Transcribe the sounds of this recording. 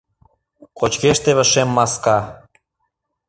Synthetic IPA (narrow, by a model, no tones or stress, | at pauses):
kot͡ɕkeʃt̪eβə̆ʃemːɑskɑ